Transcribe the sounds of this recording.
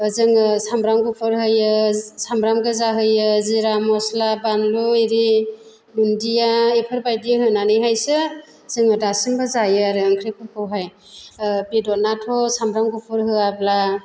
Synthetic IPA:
zɯŋɯsambɾamɡupʰɯɾɦɯjɯsambɾamɡɯzaɦɯjɯziɾamɔslabanlueɾi | lundijaepʰɯɾbajdiɦɯnanɯjɦajsɯ | z̥ɯŋɯdasimbɯzajɯaɾɯɯŋkʰɾekʰɯpʰɔwɦaj | pidɔnatʰɔsambɾamɡupʰɯɾɦɯabla

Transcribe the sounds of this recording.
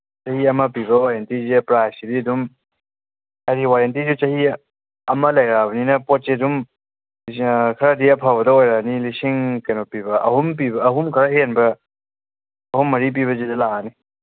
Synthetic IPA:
t͡ʃɐhiɐmɐpiβɐwaɾentizipɾajsididum | ɐɾiwaɾentizut͡ʃɐhi | ɐmɐlɐjɾabɐninɐpot̚sidum | kʰɐɾadiɐpʰawbɐdɐojɾanilisiŋkɐjnopibɐʔɐhump̬ibɐːɦumkʰɐɾaɦenbɐ | ɐɦumːɐɾip̬iβɐzidɐlaani

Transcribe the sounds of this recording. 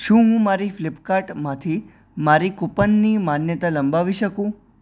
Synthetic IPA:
ʃũɦũmaɾiflɪpkaʈmãt̪ʰi | maɾikopənːimanjət̪aləmbaʋiʃəkũ

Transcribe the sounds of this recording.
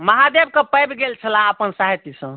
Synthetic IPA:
məɦad̪eb̚kəpəjbɡelt͡ʃʰəlãəpənsaɦit̪isə̃

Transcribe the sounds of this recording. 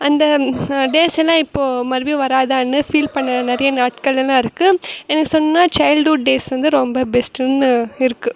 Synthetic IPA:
ɐnd̪ɐɖeːsɛlːãːɪpːoːmɐɾɯʋiʋɐɾaːðanːɯfiːlpɐɳːɐnɪɾɐjɐnaːʈkɐɭɛlãːɪɾɯkːɯɛnɐkːɯsɔnːɐnaːt͡ʃɐɪlɖuːɖeːsʋɐnd̪ɯɾɔmbɐbɛsʈɯnɪɾɯkːɯ

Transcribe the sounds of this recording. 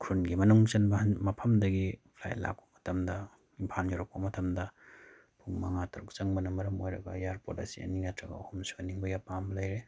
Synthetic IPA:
kʰɾunɡimɐnuŋt͡ʃɐnbɐɦɐnmɐpʰɐmdɐɡipʰla̰jla̰k̚pɐ̥mɐ̥tʰɐmdɐ | impʰalnjoɾɐk̚pɐmɐtʰɐmdɐ | pʰuŋmɐŋatʰɐɾuk̚t͡ʃɐŋbɐnɐmɐɾɐmojɾɐɡɐjaɾpoɾtɐ̰sḭɐ̰ninɐtʰɾɐɡɐ̰ɐhumsiɐniŋbɐjapambɐlɐjɾe

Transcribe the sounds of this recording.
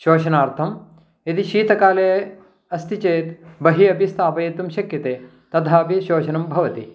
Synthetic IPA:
ʃoːʃɐnaːɾt̪ʰɐm | ɐd̪iʃiːt̪ɐkaːleː | ɐst̪it͡ʃeːt̪bɐɦiɐbʱist̪ʰaːpɐjɐt̪umʃɐkjɐt̪eː | t̪ɐd̪ʱaːbiʃoːt͡ʃɐnɐmbʱɐʋɐt̪i

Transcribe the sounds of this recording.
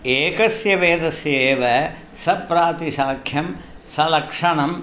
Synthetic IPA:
eːkɐsjɐʋeːd̪ɐseːʋɐ | sɐpɾaːt̪isaːkʰjɐm | sɐlɐkʂɐɳɐm

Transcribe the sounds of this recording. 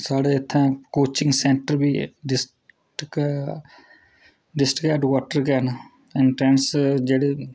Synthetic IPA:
saːɽeɪt̪ʰːẽːkoːt͡ʃɪ̃ŋɡsẽːɳʈəɾbʱiːɖɪs | ʈke | ɖɪsʈkɛːɖkaːʈːəɾk̬eːn | ɪnʈɾẽːnsd͡ʒeːɽeː

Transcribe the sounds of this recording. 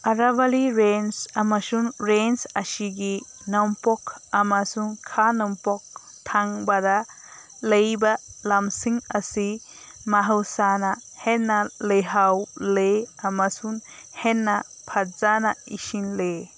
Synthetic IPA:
aɾabaliɾensamasuŋɾensasiɡi | nɔmpɔkʰamasuŋkʰanɔmpɔk̚ | tʰaŋbada | lejbalamsiŋasi | maɦɯwsana | henːalejɦawleamasuŋ | henːa | pʰaɾzanaisinle

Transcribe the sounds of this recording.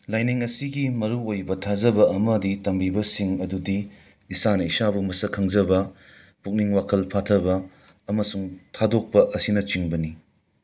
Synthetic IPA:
lajniŋɐsiɡimɐɾuojbɐtʰazɐbɐɐmɐditɐmbibɐsiŋɐdudiː | sanɐisabumɐsɐkʰɐŋd͡ʒɐbɐ | puk̚niŋwakʰɐlpʰatʰɐbɐː | mɐsuŋtʰadok̚pɐʔɐsinɐt͡ʃiŋbɐni

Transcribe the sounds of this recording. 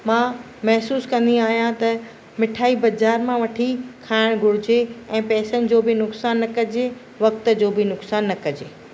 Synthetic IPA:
mãː | mɐɦsuːskɐ̃nd̪iaːɦijãt̪ɐ | mɪʈʰaːibɐd͡ʑaːɾmãʋɐʈʰikʰaːɪɽ̃ɡʱʊɽ̤ɪd͡ʑeɛ̃ːpɛːsənɪ̆d͡ʑoːbɪnʊksaːnːɐkɐd͡ʑe | ʋɐk̚t̪ə̆d͡ʑoːbɪnʊksaːnːɐkɐd͡ʑeː

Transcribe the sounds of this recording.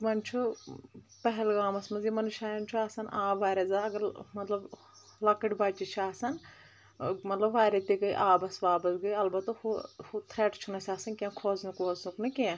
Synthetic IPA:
mɐnt͡ʃʰu | pɐɦɛlɡaːmɐsmɐzjimɐnɨʃaːjɐnt͡ʃʰuaːsɐnʔaːbʋaːɾezaɐɡɐɾmɐt̪lɐb | lɐkəʈbaːt͡ʃit͡ʃʰaːsɐn | mɐt̪lɐbʋaːɾet̪iɡɐiʔaːbɐsʋaːbɐsɡɐiɐlbɐt̪huhut̪ʰɾeːʈt͡ʃʰunɐsaːsɐnkẽːkʰoːznukʋoːznuknɐkẽ

